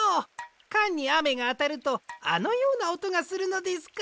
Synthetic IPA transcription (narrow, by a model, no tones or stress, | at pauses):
o | kãɲ̟ːiame̞ɡaːt̪aɾɯ̟t̪o̞a̰no̞jo̞ːnaot̪o̞ɡasɨɾɯ̟no̞d̪e̞sɨ̥k